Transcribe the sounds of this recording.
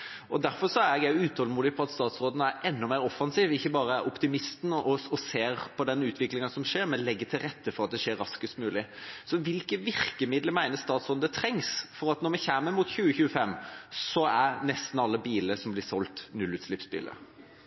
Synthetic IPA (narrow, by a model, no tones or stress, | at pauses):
ɔd̪æɾfɔɾʂɔæɾɛɡæɪʉːt̪hɔlmuːd̪ɪpʰɔɑt̪st̪ɑːt̪sɾoːd̪ənəæɾʔɛnːɔmæɪɾɔfːɑnsiːʋɪçːəbɑːɾəæʔɔpt̪ɪmɪst̪n̩ɔɔseːɾpʰɔd̪ɛnʉːt̪ʰʋɪklɪŋənsɔmʂeːɾmɛnlɛɡːət̪ʰɪlɾɛt̪ːəfɔɾɑt̪̚d̪ɛʂeːɾːɑskəst̪mʉːlɪsɔʋɪlkəʋɪɾkəmɪd̪ləmæɪnəst̪ɑːt̪sʁɔnd̪ət̪ʰɾɛŋsfɔɾɑt̪nɔɾmɛçæːməmuːt̪çʉːəçʉːəfɛmːsɔæɾnɛst̪n̩ɑlːəbiːləsɔmblɪsɔlt̪nʉlʉːt̪slɪpsbḭːlə̰ɾ